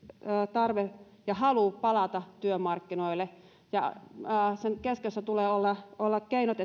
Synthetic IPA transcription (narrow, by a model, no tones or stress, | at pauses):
t̪ɑrʋe | jɑhɑlupɑlɑt̪ɑt̪yømɑrkːinoilːe | jɑ̰əːsenkeskesːæt̪uleːolːɑolːɑkkeinot̪e